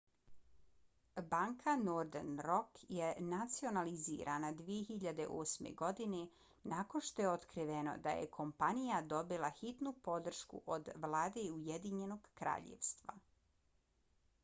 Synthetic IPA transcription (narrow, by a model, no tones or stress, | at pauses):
baŋkʰanoɾd̪enɾo̞kjenat̪sio̞nalizḭːɾʔanad̪ʋije̞xiʎad̪e̞ʔoːsmḛɡo̞d̪ine | nako̞nʃt̪o̞jeot̪kɾiʋe̞no̞̰d̪a̰jḛkʰo̞mpanijad̪o̞bilˠaxit̪nupo̞d̪r̩ʃkṵʔod̪ʋlˠaːd̪e̞iujed̪iɲe̞no̞ɡkɾa̰ːʎḛʋst̪ʋa̰